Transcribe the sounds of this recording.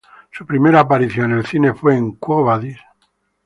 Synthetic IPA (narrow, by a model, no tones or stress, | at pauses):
supɾime̞ɾaːp̬aɾiθjonelθine̞fweːŋkwoβaðis